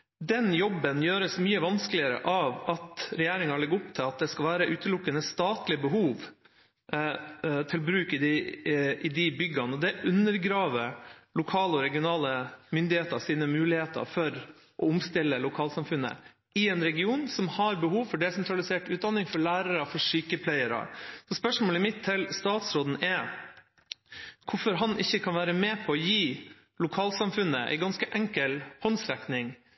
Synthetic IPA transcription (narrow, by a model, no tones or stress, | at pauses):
d̪ɛnjɔbːənjøːɾəsmyːəʋɑnskəlɪəɾə̰ʔɑʋɑt̪ɾɛjeːɾɪŋɑlɛɡːəʊpt̪ʰɪlɑt̪̚d̪ɛskɑlʋæːɾəʔʉːt̪əlʊkːənəst̪ɑːt̪lɪəbəɦuːʋ | t̪ʰɪlbɾʉːkəd̪ɪɪd̪ɪbʏɡːɑnəɔd̪ɛʔʉnːəɾɡɾɑːʋəlʊkʰɑːləɔɾɛɡɪʊnɑːləmʏnd̪ɪheːt̪əɾsiːnəmʉːlɪheːt̪ʰə̰ɾfɔɾ | ʔɔʊmst̪ɪlːəlʊkʰɑːlsɑmfʉnːə̰ | ɪɛnɾɛɡɪuːnsɔmhɑɾbəhuːʋfɔɖɛsɛnt̪ɾɑlɪseːʈʉːt̪̚d̪ɑnːɪŋfɔɭæːɾəɾəfɔʂyːkəpʰlæɪəɾɑ̰sɔspœʂmoːlɛmɪt̪ʰːɪlst̪ɑːt̪sɾoːd̪n̩ɛ | kʰʊfɔɾɦɑnʔɪçːəkʰɑnʋæːɾəmɛːpʰɔːjiː | lʊkʰɑːlsɑmfʉnːəʔɛ̰ɪɡɑnskəʔɛŋkəlhɔnsɾɛknɪŋ